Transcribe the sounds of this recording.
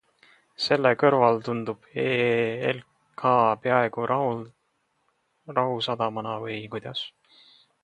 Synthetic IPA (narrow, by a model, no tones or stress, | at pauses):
se̞lːekɤrvɑlt̪und̪ub̥eel | kʰɑːpeɑe̞ɡ̥u | rɑɦusɑd̪̥ɑmɑnɑvɤjjkujd̪̥ɑs